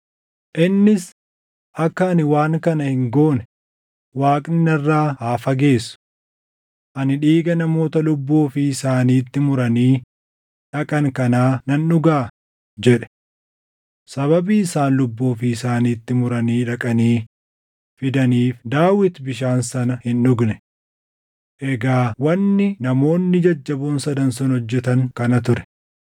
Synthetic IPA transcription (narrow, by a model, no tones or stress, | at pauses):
ʔɪnːɪs | ʔɐkːɐnɪwaːŋkɐnɐhɪŋɡo̞ːnɛ | waːkʼnɪnɐrːaːhaːfɐɡe̞ːsːʊ̥ | ʔɐnɪᶑiːɡɐnɐmo̞ːt̪ɐlʊbːoːfɪːsaːniːt̪ːɪmʊɾɐniː | ᶑɐkʼɐŋkɐnaːnɐnːʊɡaː | d͡ʒɛᶑɛ̥ | sɐβɐbiːɪsaːnlʊbːoːfɪːsaːniːt̪ːɪmʊɾɐniːᶑɐkʼɐniː | fɪd̪ɐniːfd̪aːwɪt̪bɪʃ̬aːnsɐnɐhɪnᶑʊɡnɛ | ʔɛɡaːwɐnːɪnɐmo̞ːnːɪd͡ʒɐd͡ʒːɐbuːnsɐd̪ɐnsɔnhɔd͡ʒːɛt̪ɐŋkɐnɐt̪ʊɾɛ̥